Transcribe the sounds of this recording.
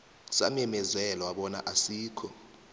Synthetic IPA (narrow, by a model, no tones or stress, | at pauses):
sa̰m̩ɛmɛzɛlɔwaɓɔna̰ʔasiːkʰɔ